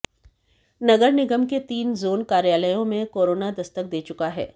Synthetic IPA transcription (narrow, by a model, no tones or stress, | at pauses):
nɐɡəɾnɪɡəmket̪iːnzoːnkaːɾjaːləjõmẽkoːɾoːnad̪ɐst̪ək̚d̪eːt͡ʃʊkaɦɛ̰ː